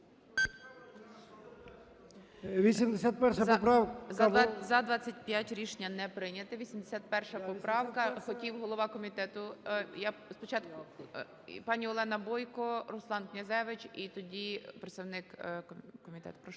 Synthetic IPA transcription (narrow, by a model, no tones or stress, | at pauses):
ʋʲisʲimd̪esʲat̪̚pɛrʃɐɔpɾɑw | zɐd̪ʋɑt͡sʲːɐtʲpjatʲɾʲiʃnʲɐnɛpɾɪnʲɐt̪ɪʋʲisʲimd̪esʲat̪̚pɛrʃɐpɔpɾɑwkɐxɔkʲiwɦɔlˠɔʋɑkɔmʲit̪ɛt̪ʊjaspɔt͡ʃɑt̪kʊ | pɑnʲiɔlˠɛnɐbɔjkɔɾɔslˠɑnknʲɐzɛʋɪt͡ʃʲit̪ɔdʲipɾet̪st̪ɐwnɪk | kɔmʲit̪ɛ̰t̪ʊ̥pɾɔʃ